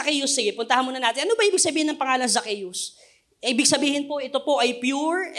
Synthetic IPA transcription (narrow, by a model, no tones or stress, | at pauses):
ɐkɛjʊsːɪɡɛpʊnt̪ɐhɐnmuːnɐnaːt̪ɪnʔɐnobɐʔiːbɪɡ̚sɐbiːhɪnɐŋpɐŋaːlɐŋzɐkɛjʊs | ʔiːbɪɡ̚sɐbiːhɪnpo̞ʔɪt̪o̞po̞ʔɐjpjuɹ